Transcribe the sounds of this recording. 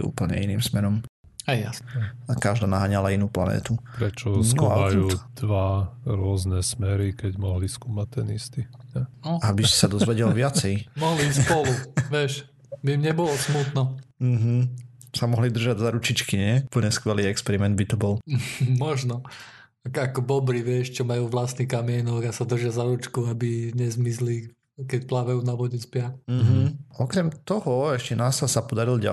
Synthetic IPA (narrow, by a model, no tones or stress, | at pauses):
ṵːpl̩ɲɛ̰iniːmsmɛɾɔm | ɛja̰snɛakaʒd̪aːnaɦaːɲalainuːplanɛ̰ːt̪upɾɛt͡ʃɔnkɔaajuːd̪̥ʋaɾʊɔznɛsmɛɾikɛɟmɔɦliskuːmatt̪ɛnist̪i | ɲɛɔabisi̥sad̪ɔzʋɛɟɛlʋɪat͡sɛjmɔɦlispɔluʋɪɛʃ | bimɲɛbɔlɔsmut̪nɔm̩ːɦm̩samɔɦlid̪r̩ʒaɟzaɾut͡ʃit͡ʃkiɲɛupl̩ɲɛskʋɛliɛkspɛɾimɛnd̪̚bit̪ubɔlmɔʒnɔ | akakɔbɔbɾiʋɪɛʃt͡ʃɔmajuːʋlast̪nikamɪɛnɔkɡasad̪r̩ʒɪazaɾut͡ʃkuabiɲɛzmizli | kɛcplaːʋajuːnabɔdɛspɪanm̩ːɦ̩ʔɔkɾɛmt̪ɔɦɔɛʃcɛnasasapɔd̪aɾilɟa̰